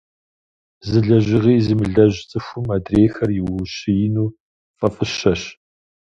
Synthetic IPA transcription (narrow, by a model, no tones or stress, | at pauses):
zɨɮɐʑʒɪʁiːzɨmɨɮɐʑt͡sʼɨxʷʊmadreːxɐrjɪwwʊɕɪjɪnuː | fʼɐfʼɨɕɐɕ